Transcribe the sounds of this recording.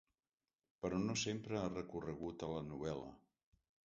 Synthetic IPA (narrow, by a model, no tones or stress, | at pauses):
pəɾɔnosempɾəarəkurəɣut̪ələnuβ̞ɛlə̰